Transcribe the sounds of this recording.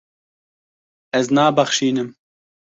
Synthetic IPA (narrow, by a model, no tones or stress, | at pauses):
ɛznaːbɐxʃiːnɨm